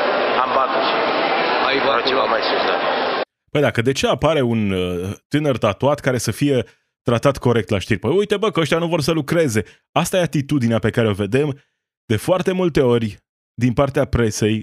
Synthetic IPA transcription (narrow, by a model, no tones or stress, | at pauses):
ambat̪ | aivaɾt͡ʃevamajsumd̪a | pəjd̪akəd̪e̞t͡ʃe̞apaɾe̞unt̪ɨnərt̪at̪uat̪kaɾe̞səfije̞ | t̪ɾat̪at̪ko̞ɾe̞k̚t̪laʃt̪irʲpəjujt̪ebəkəəʃt̪januvo̞rs̬əlukɾe̞ze̞ | ast̪aje̞at̪it̪ud̪ineape̞kaɾeo̞ve̞d̪e̞m | d̪̥e̞foart̪e̞mult̪e̞o̞rʲ | d̪inpart̪eapɾe̞se̞j